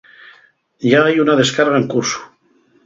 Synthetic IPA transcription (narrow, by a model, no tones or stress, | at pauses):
ʎaajunaðeskaɾɣaeŋkuɾsu̥